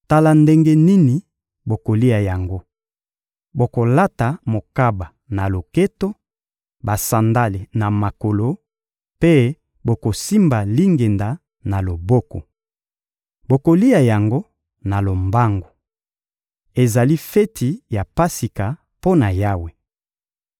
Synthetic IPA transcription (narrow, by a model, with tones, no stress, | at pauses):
ta˦la˨nde˦ŋɡe˦ni˦ni˨ | bo˨ko˨li˦ja˨ja˨ŋɡo˦ | bo˨ko˨la˦ta˨mo˨ka˦ba˨ | na˨lo˨ke˦to˦ | ba˨sa˨nda˦li˨na˨ma˨ko˨lo˦ | pe˦ | bo˨ko˨si˦mba˨li˦ŋɡe˨nda˨ | na˨lo˨bɔ˦ko˨ | bo˨ko˨li˦ja˨ja˨ŋɡo˦ | na˨lo˨mba˦ŋɡo˨ | e˨za˨li˦fɛ˦tʰi˨ja˨pa˦si˨ka˨ | po˦na˨ja˦we˨